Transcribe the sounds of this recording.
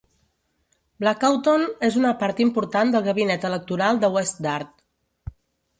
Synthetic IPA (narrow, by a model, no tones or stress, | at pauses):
blakawt̪onezunəpaɾt̪impuɾt̪and̪əlˠɣəβ̞inɛt̪ələk̚t̪uɾalˠd̪əwɛst̪d̪aɾt̪